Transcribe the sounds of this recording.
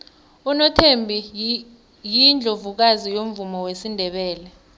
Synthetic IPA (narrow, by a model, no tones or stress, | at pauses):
unɔtʰembʱi | jind͡ɮʱovuk̬azijom̩vumɔwesindʱɛɓɛːlɛ